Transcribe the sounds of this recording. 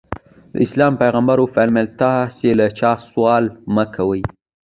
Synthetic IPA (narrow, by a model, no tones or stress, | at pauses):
d̪ə̰ɪslɑmpajɣambaɾofalmɪlt̪ɑselat͡ʃɑswɑlməkʰawəj